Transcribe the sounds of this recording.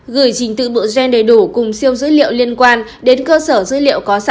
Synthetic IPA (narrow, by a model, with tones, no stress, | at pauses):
ɣɨ˧˩əjt͡ɕï˨˩ŋ̟t̪ɨ̰˧˨ɓɨ̰˧˨zɛ˧ŋɗə˨˩jɗu˧˩kʊ˨˩ŋ͡msi˧əwzɨ̰˧˥lḭ˧˨ə˨wli˧ənkwaː˧n | ɗe˨˦nkəː˧səː˧˩zɨ̰˧˥lḭ˧˨əwkɔ˨˦sa˧